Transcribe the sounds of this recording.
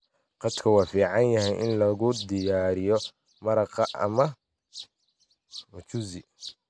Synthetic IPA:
qɑd̪kʰɐwɑːfiːʕɑnjɐɦɛjʔɪnlɐɣʊd̪ɪjaːɾɪjɔ | mɐɾɑqɑʔɐ̰mɐ | mʊt͡ʃʊzɪ

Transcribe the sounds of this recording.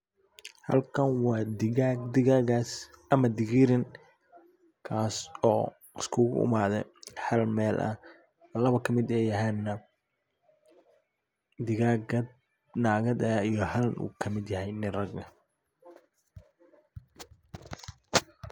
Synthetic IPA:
hɐ̰lkʰɐnwɑːd̪ɪɣad̪ɪɣaːɣaːs | ʔɐmɐd̪ɪɣiɾɪn | kʰaːsɔː | ɪskʰʊɣʊ̰ʊ̰maːðɛhɐlmɛːlʔɐ̰ | lɐβɐkʰɐmɪd̪ɛjɐɦɛːnːɐ | d̪ɪɣaːɡɐ | naːɣɐd̪ɐijɞhɐlnṵːkʰɐmɪd̪jɐhɛjnɪrɐɡɐ

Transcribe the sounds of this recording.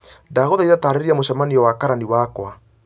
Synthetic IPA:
daɣoðaiɾataːɾeeɾiamoɕamaniɔwakaɾaniwakwa

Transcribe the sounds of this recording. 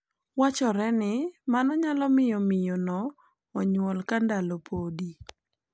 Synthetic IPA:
wat͡ʃɔɾɛnɪmanɔɲalɔmɪjɔmɪjɔnɔː | ɲwɔlkandalopʰodi

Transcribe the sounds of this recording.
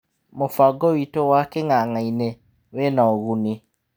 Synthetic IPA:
mofaɡɔwitowakeŋaŋaine | wenaoɣuni

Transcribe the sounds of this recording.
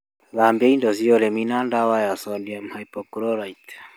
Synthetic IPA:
zambɛindɔziɔɾɛminandawajasɔndiamhajpɔkuɾɔɾait

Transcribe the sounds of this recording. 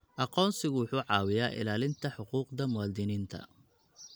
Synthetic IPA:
ʔɑqɔːnsɪɣʊwʊħuːʕɑːwɪjaːʔɪ̰laːlɪnt̪ʰɐħʊquːqd̪ɐmʊwaːd̪ɪniːnt̪ʰɐ̰

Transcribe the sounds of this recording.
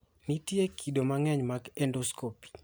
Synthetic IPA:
nitjekʰidomaŋɛɲmaɡɛndoskopi̥

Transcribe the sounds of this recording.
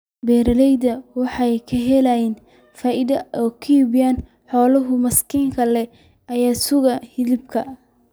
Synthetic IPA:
bɛːɾɐlɛjðɐwɑħɑjkʰɐɦɛlajɛːn | faːʔɪðɐʔɔːkʰɐjiβjaːn | ħɔːlɐɦʊmɐskʰiːŋkʰɐlɛ | ɐjaːsʊɣɐhɪlɪb̚kʰɐ

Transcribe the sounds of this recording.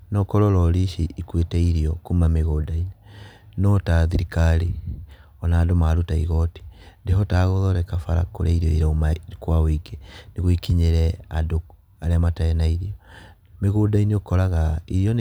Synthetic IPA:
nɔkɔɾɔɾɔɾiʃiikwetɛiɾiɔkumameɣodainenɔtaðiɾikaɾi | ɔnaːdomaɾutaḭɣɔti̥ndehɔtaɣoðɔɾɛkafa̰ɾa̰ko̰ɾaiɾiɔiɾaumakwawiɡeneɣoikiɲeɾɛa̰do | aɾeamataɛnaiɾiɔ | meɣodaineokɔɾaɣaiɾijɔn

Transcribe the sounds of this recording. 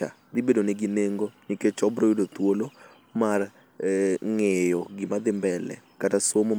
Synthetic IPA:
a̰ | d̪ɪbedoneɡineŋɡoniket͡ʃɔbɾojidot̪wolo | mar | ŋejɔɡɪmad̪ɪmbɛlɛ̰katasomo

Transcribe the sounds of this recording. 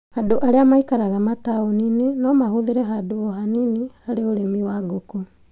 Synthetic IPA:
hadoʔaɾeamaikaɾaɣamataoninenɔmaɦoðeɾɛɦadoːɦaninihaɾeoɾemiwaɡoko

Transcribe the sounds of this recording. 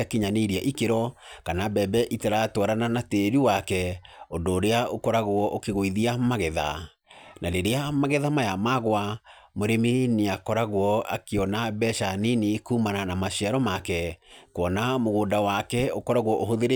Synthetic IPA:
akeɲaneɾiaʔikeɾɔkanabɛbɛʔitaɾatwaɾananateɾiwakɛondoːɾeaokɔɾaɣwɔʔokeɣoiðiamaɣɛða̰ | naɾeɾeamaɣɛðamajamaɣwamoɾemineakɔɾaɣwɔa̰keɔnabɛʃaninikuːmananamaɕiaɾɔmakɛkwɔnamoɣoːndawakɛokɔɾaɣwɔʔoɦoðeɾe

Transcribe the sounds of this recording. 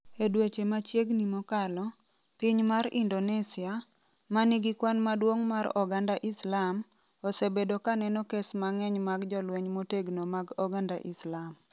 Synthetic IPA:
edwet͡ʃemat͡ʃjeɡnimɔkalɔ | piɲmaɾindonɛsɪa | maniɡikwanmadwoŋmaɾɔɡandaʔɪslam | ɔsebedokanɛnɔkesmaŋɛɲmaɡd͡ʒɔlweɲmoteɡnomaɡɔɡandaʔɪslam

